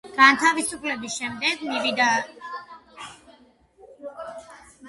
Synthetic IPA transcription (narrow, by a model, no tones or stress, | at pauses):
ɡ̥ant̪ʰavisupʰlɛbisʃɛmd̪ɛɡmivid̪a